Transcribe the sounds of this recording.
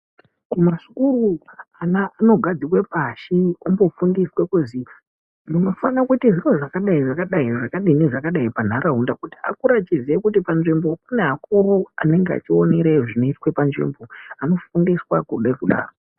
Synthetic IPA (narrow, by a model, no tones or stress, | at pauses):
kumaʂi̥kuruanaʔːno̞ɡʱad͡zikwepaʃiombo̞fundiswekuzi | muno̞fanakutiʐiro̞ʐakaɗaiʐakaɗaiʐakaɗiniʐakaɗaipan̤aɾaɦundakuti̥a̰kuɾatizekutipanʐimbo̞kune̞ɦakurua̰ne̞ŋɡea̰t͡ʃioneɾeʐino̞itwe̞panʐḭmbo̞ano̞fundiswakuɗaikuɗa̰ːro